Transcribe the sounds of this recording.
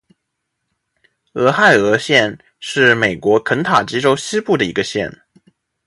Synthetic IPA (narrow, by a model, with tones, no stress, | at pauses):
ɤ˧˥xa˥˩ɪɤ˧˥ɕjɛ˥˧n | ʂɻ̩˥˩me˨˩ɪkwɔ˧˥kʰə˧˥nt̪ʰa˨˩t͡ɕi˥ʈ͡ʂo˥ʊɕi˥pu˥˩d̪ə˩ḭ˧˥ɡə˧ɕjɛ̰˥˩n